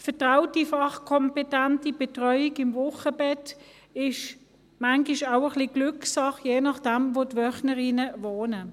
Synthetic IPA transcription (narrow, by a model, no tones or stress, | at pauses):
fɛɐtʁaʊtifɑχkʰɔmpetantib̥ɛtʁœʏiɡɪmvʊχəbɛt | ɪʃ | maŋɡiʃaʊəχliɡlʏksɑχjeːnɑχd̥ɛmvoːtʋœχnəʁinəvoːnə